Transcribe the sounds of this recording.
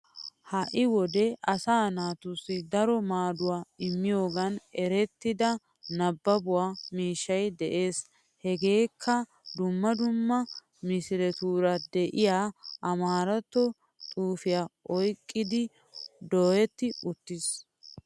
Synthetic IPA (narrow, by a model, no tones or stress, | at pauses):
hɐʔɪwɔd̪ɛɐsaːnaːt̪ʊsːɪd̪ɐɾɔmaːd̪ʊwaːɪmːɪjo̞ːɡɐnɛɾɛt̪ːɪd̪ɐ | nɐbːɐbʊwaːmiːʃːɐjd̪ɛʔe̞ːs | hɛɡe̞ːkʰːɐ | d̪ʊmːɐd̪ʊmːɐ | mɪsɪɾɛt̪uːɾɐd̪ɛʔɪjaːʔɐmaːɾɐt̪ːɔ | t̪ʼuːfɪjaʔɔjkʼːɪd̪ɪ | d̪oːjɛt̪ːɪʊt̪ːɪs